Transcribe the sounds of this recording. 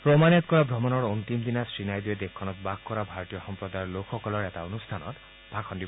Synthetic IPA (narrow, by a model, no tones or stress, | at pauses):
pɾɔmanat̪kɔɾabʱɾɔmɔnɔɾont̪imd̪inasɾinajd̪ied̪ekʰːɔnɔt̪bakkɔɾabʱaɾɔt̪ijɔxɔmpɾɔd̪ajɔɾlokʰɔkɔlɔɾet̪aonust̪ʰanɔ̰t̪ | bʱakʰɔndi